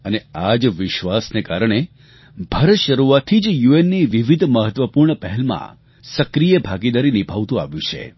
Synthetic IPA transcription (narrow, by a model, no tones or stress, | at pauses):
ənead͡ʒʋɪʃʋasnekaɾəɽ̃e | bʱəɾəʃəɾuat̪ʰːid͡ʒjuenːiʋiʋid̪ʱməɦət̪ʋəpuɾɳəpɛɦɛlmã̰ | səkɾijebʱaɡid̪aɾinibʱaʋt̪ũa̰ʋjũt͡ʃʰḛ